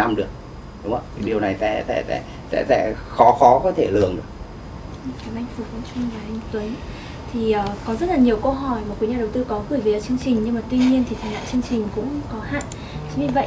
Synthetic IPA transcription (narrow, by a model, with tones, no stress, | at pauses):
a˧mɗɨ˨˩ək̚ | ɗʊ˨˦ŋ͡mə˧˩˨ɗi˨˩əwna˨˩jsɛ̰˧˥sɛ̰˧˥sɛ̰˧˥ | sɛ̰˧˥sɛ̰˧˥xɔ˨˦xɔ˨˦kɔ˨˦t̪ʰe˧˩lɨ̰˨˩əŋɗɨ̰˨˩ək̚ | kaː˨˦mʔa˧jŋ̟fu˨˩kvə̰˧˥ŋ͡mt͡ɕʊ˧ŋ͡mvaː˨˩ʔjŋ˧t̪wə˨˦j | t̪ʰi˨˩ʔəː˨˩kɔ˨˦zə˦˥t̚laː˨˩ɲi˨˩əwkə˧wɦɔ˧˩jmaː˨˩kwi˨˦ɲaː˨˩ɗə˨˩wt̪ɨ˧kɔ˨˦ɣɨ˧˩jvi˨˦ə˨˩t͡ɕɨ˧əŋt͡ɕï˨˩ŋ̟ɲɨ˧ŋmaː˨˩t̪wi˧ɲi˧ənt̪ʰi˨˩˨ŋha̰ː˧˨t͡ɕɨ˧əŋt͡ɕï˨˩ŋ̟kʊ̰˧˥ŋ͡mkɔ˨˦ɦa̰ː˧˨n | t͡ɕɲɨ˧və̰˧˨j